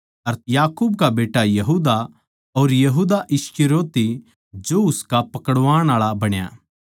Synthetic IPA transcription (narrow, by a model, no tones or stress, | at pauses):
ɐɾjaːkuːbkabeːʈajɐɦuːd̪a | oːɾjɐɦuːd̪aʔɪskɪɾoːt̪i | d͡ʒoʊskapɐkəɽʋaːɽ̃aːɭabɐɽ̃ja̰